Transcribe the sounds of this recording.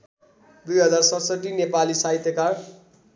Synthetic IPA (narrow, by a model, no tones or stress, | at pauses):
d̪ujɦʌd͡zarsʌt̪sʌʈːinepalisait̪jekar